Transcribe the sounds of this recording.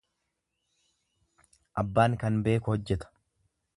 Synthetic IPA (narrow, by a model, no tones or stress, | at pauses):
ʔɐbːaːŋkɐnbe̞ːkʊhɔd͡ʒːɛt̪ɐ̥